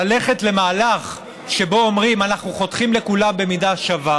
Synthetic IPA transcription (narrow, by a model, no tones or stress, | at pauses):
ale̞χe̞tle̞maːlaχ | ʃe̞bo̞omʁimanaχnuχo̞t̪χimle̞kulambe̞midaʃava